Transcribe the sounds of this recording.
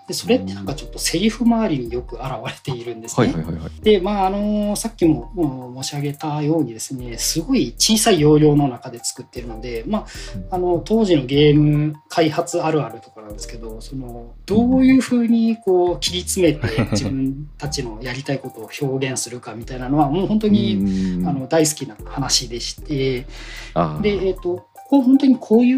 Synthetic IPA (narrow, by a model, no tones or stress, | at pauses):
d̪̥e̞so̞ɾe̞t̪ːe̞nãŋkat͡ɕo̞t̪ːo̞se̞ɾʲiɸɯ̟maːɾʲiɲ̟ijo̞kɯ̟aɾaβaɾe̞t̪e̞iɾɯ̟̃nd̪e̞sɨed̪̥e̞maːno̞sakʲːimo̞omo̞ːɕiaɡe̞t̪ajo̞ːɲ̟id̪e̞sɨne̞sɨɡo̞it͡ɕiːsaijo̞ːɾʲo̞ːno̞nakad̪e̞t͡sɨ̥kɯ̟t̪ːe̞ɾɯ̟no̞d̪e̞maano̞t̪o̞ːʑino̞ɡe̞ːmɯ̟kʰaihat͡sɨaɾɯ̟aɾɯ̟t̪o̞̥kanãnd̪e̞sɨ̥ke̞d̪o̞so̞no̞d̪̥oːjɯ̟ːɸɯ̟ːɲ̟iko̞ːkʲiɾʲit͡sɨme̞t̪e̞d͡ʑibɯ̟̃nt̪at͡ɕino̞jaɾʲit̪aiko̞t̪o̞ːço̞ːɡẽ̞ɰ̃sɨɾɯ̟kamʲit̪ainano̞βamo̞ːhõ̞nt̪̬o̞ɲ̟iano̞d̪ais̬ɨ̥kʲinahanaɕid̪e̞ɕi̥t̪e̞ | d̪e̞eːt̪ːo̞ko̥koɦõ̞nt̪o̞ɲ̟ikʰo̞ːjɯː